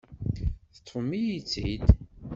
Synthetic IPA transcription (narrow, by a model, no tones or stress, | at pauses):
θə̥t̪ʰˤːfmijit͡sːid̪